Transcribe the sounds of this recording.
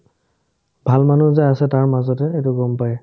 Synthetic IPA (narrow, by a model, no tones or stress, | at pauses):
bʱalmanuzaasɛtaɹmazɔtɛetʊɡɔmpajɛ